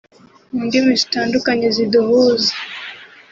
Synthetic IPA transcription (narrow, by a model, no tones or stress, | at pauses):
ndimisi̥tandukaɲɛziduɦuzi